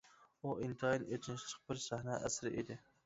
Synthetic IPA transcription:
uʔint̪ʰɨɑinet͡ʃ̪ʰɪnʃlˠɨq̚bɪɾsæhnɛʔæ̰sɾɪ̰ʔed̪ɪ

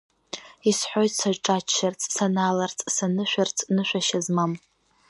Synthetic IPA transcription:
isħʷo̞jtʼsaʒʈ͡ʂʼat͡ʃːart͡sʰʼsanaːlart͡sʼsanɨʃʷᶣart͡sʰʼnɨʃʷᶣaʃazmam

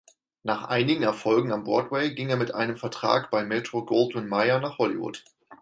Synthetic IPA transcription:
naːχʔa̰ɪnɪɡŋ̩ɛɐfɔlɡŋ̩ambɔɐtwɛɪɡɪŋeːɐmɪtʔa̰ɪnəmfɛɐtʁ̥a̰ːkb̥aɪmɛːtʁ̥oɡoːltmɪnmaɪɐnaːχhɔlḭvʊ̰t

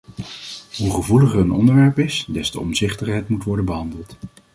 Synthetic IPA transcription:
ɦuχəvuləχənɔ̰ndəɹʋɛɹpɪsdɛstəɔ̰mzɪχtəχɦɛjtmutʋɔɹdənbəɦɑndəlˠt

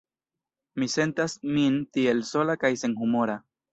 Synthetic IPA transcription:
mise̞nt̪asmint̪ielso̞lakajse̞nhumoɾa

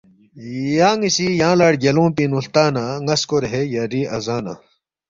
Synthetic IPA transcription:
jaːŋisijãːlaːɽɡɐlõːpinuɬt̪aːnaŋɐskoɾɦejaɾiːɐzaːna̰ː

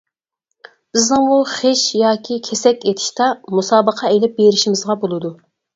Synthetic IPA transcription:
b̥ɪznɪŋmuχeʃjɑːkʲʰikʲʰɛsɛkʲet̪ʰɪ̥ʃt̪ɑmusɑːbəqʰɑelɪp̚beɾɪʃimɪzʁɑbolˠɨd̪u

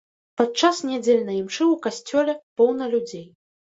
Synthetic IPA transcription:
pat̪̚t͡ʂasnʲad͡zʲelʲnɐjimt͡ʂɨwkasʲt͡sʲɔlʲɛpɔwnɐlʲud͡zʲej

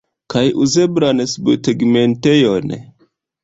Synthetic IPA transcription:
kajʔuzebɾansbteɡmentejon

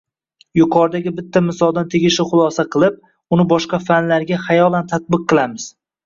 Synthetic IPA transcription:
jʊqʰɒɾd̪aɡʲɪbɪt̪ʰːamɪsɒlˠd̪ant̪ʰeɡʲɪʃɪχʊlˠɒsaqʰɨlˠɪp̚ | ʊnɪbɒʃqɑfanlaɾɡʲaχajɒlˠant̪ʰat̪̚bɨq̚ːɨlˠamɪz̥

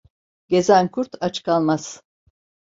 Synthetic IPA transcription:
ɟʲe̞zænkʰuɾt̪ʰat͡ʃkʰalˠmaz̥

